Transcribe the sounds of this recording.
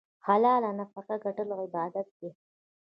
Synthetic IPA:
halɑːlanafaqaɡaʈəlɣɪbɑːd̪at̪̚ɡ̪e

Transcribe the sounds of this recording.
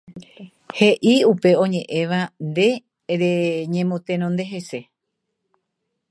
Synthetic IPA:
he̞ʔiupe̞õ̞ɲẽ̞ʔẽ̞ʋand̪e̞ | ɾeɲẽ̞mõt̪ẽɾ̃õnd̪e̞ɦe̞se̞

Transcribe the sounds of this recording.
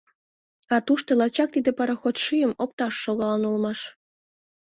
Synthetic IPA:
ɑt̪uʃt̪olɑt͡ɕɑk̚t̪id̪epɑɾɑxot̪ʃyjəmop̚t̪ɑʃːoɣɑlənulmɑʃ

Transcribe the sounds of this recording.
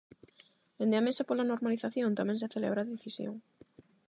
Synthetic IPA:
d̪ẽnd̪eamesapolanoɾmaliθaθjõnt̪amɛ̃ŋs̬ɪθelḛβ̞ɾaðeθisjo̰ŋ

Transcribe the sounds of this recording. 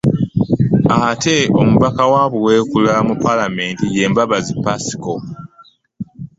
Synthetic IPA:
atʰe̞o̰muβakawaβuwe̞ːkulamupalame̞ːntije̞ːmbaβazipasi̥ko̞

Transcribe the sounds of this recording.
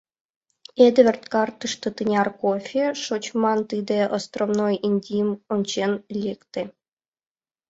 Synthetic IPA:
ed̪vʲĕrt̪kɑrt̪ɨʂt̪ɤ̆t̪ɨnʲɑrkofʲiʂot͡ɕmɑnt̪ɨd̪eʔost̪romnojinʲd̪ʲijmonʲt͡ɕenlʲekt̪ʲe

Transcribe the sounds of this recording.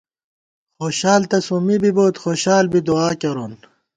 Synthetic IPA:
xoːɕaːlt̪ɐsumibiboːt̪xoːɕaːlbid̪uaːkɐɾoːn

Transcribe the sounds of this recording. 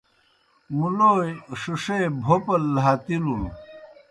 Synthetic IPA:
muloːjʂuʂeːbʱopɐlːɦaːt̪ilun

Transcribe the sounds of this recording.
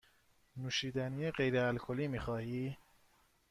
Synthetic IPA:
nuːʃiːd̪ænijeɢejɾeælkʰoliːmiːxɒːhiː

